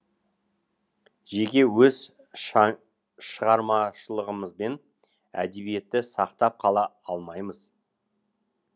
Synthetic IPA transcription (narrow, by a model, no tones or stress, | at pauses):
ʒe̞kʲe̞wɵz | ʃəʁɑɾmɑʃəlˠəʁəməzbe̞n | æ̰d̪e̞bije̞t̪ːɪsɑqt̪ɑp̚qʰɑlˠɑɑlˠmɑjməz